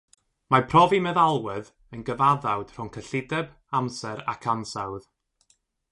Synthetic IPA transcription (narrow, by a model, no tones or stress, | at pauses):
mapʰrɔvimɛðalˠwɪð | ənɡəvaðawd̥r̥ʊŋkʰəɬɪdɛb | amsɛɾa̰kʰansawð